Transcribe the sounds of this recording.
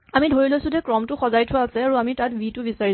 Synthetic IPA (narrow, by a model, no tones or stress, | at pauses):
amidʱoɹilojsʊ̃d͡ʒɛkɹɔmtʊxɔzajtʰʊwaːsɛaɹuamitatbitʊbisaɹi